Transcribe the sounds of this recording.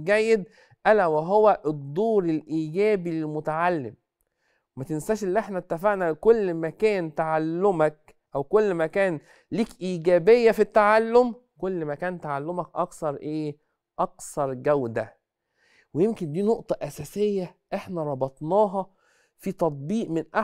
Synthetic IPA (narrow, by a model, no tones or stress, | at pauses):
ɡæjːed̪̚ | ʔælæwæɦowæʔed̪ˤːuːɾelʔiːɡæːbilelmʊt̪aʕalːem | wemæt̪ensæːʃʔelːiʔeħnæt̪ːæfaʕnækolːmækæːnt̪aʕalːomæk̚ | ʔæwkolːmækæːn | liːkʔiːɡæːbejːæfit̪ːaʕalːom | kolːmækæːnt̪aʕalːomækʔɑ̰ksɑɾˤʔeː | ʔɑksɑɾˤɡæwd̪æ | wejemkend̪iːnoʔt̪ˤɑʔæsæːsejːæʔeħnæɾˤɑbɑt̪ˤnɑːɦɑ | fit̪ɑt̪̚ˤbiːʔmɪnʔa